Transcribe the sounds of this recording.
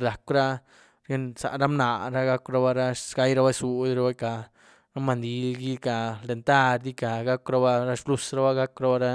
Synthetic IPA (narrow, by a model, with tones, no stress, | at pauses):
la˨kɾa˦ | ɾe˦nsa̰˨ɾa˦mna˨ɾa˦ɡa˦kʷɾa˧˦ba˦ɾa˦ɡa˦jɾa˦ba˦su˨dɾa˦ba˦ka˨ | ɾa˦ma˨nd̪i˨˦ɡi˦ka˨le˨nt̪a˦ɾd̪i˦ka˨ɡa˦kɾa˧ba˧ɾa˦ʃblu˦sɾa˦ba˦ɡa˦kɾa˦ba˦˧ɾa˦